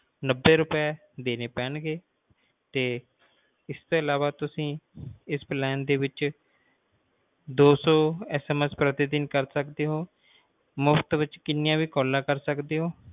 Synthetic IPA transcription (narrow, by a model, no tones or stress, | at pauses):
nəbːeːɾʊpɛː | d̪eːneːpɛːnɡeː | t̪eː | ɪst̪oːəlaːʋaːt̪ʊsĩːɪsplɛːnd̪eːʋɪt͡ʃ | d̪oːsɔːɛːsɛːmɛspɾət̪ɪd̪ɪnkəɾsəkd̪eːɦoː | mʊft̪ʋɪt͡ʃkɪnɪjãːʋiːkɔːlːãːkəɾsəkd̪eːɦoː